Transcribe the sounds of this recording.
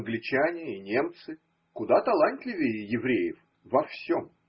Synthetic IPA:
nɡlʲɪt͡ɕanʲɪːnʲe̞mt̪sɨ | kʊd̪at̪ɐlˠant̪ʲlʲɪvʲɪjjɪvɾʲejɪf | vɐfsʲo̞m

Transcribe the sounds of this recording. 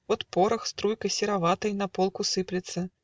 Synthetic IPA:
vɔt̪pɔɾɐxst̪ɾujkɐjsʲɪɾavat̪ɐjnɐpɔlˠkusɨplʲɪt̪sːɐ

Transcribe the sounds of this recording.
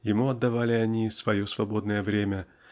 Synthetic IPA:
jɪmuɐd̪ːɐvalʲɪɐnʲisvɐjo̞svɐbo̞d̪nəjəvɾʲemʲə

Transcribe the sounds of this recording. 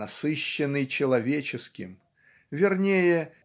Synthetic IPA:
ɐsɨɕːɪnːɨjt͡ɕɪlˠɐvʲet͡ɕɪskʲɪ̰m | vʲɪrnʲejɪ

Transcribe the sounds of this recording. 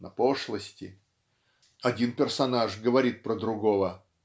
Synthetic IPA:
nɐ̰poʂlˠəsʲtʲɪ | ɐdʲinpʲɪrsɐnaʐɡəvɐɾʲit̪̚pɾəd̪ɾʊɡovə

